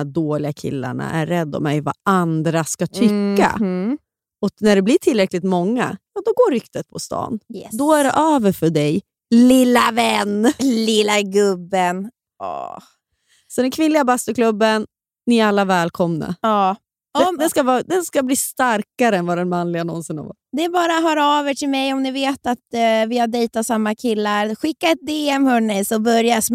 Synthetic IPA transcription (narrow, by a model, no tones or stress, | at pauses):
d̪oːlɪɡakʰɪ̰lːa̰ɳa̰ʔæɾːɛd̪ːɔ̰mɛ̰jva̰and̪ɾaskat̪ʰʏkːa̰ | ɔknæɖɛblɪʈʰɪlɾɛklɪt̪mɔŋːa̰jɑːd̪ɔɡoːɾʏkt̪ət̪̚pʰɔst̪ʰɑ̰ːndd̪ɔæɖɛʔøːvəɾfœɖɛj | lɪlːavɛnːlɪlːaɡɵbːən | ɑ̰ː | sɔd̪ɛnkʰvɪnlɪɡabast̪əkʰlɵbːən | nɪalːavɛːlkʰɔmna̰ɑː | dɔ̥d̪ɛnskavɑːd̪ɛnskabliːst̪aɾkaɾəɛnvad̪ɛnmanlɪɡanɔ̰nsəna̰vɑ̰ːɾd̪ɛbɑːɾaɦœːɾɑːvəʈʰɪlmɛjɔmnɪveːt̪at̪vɪhaɖ̪ɛjt̪at̪samːakʰɪlːaɾɧɪkːaɛt̪̚d̪eːɛmhɵɳɪsɔbœɾjas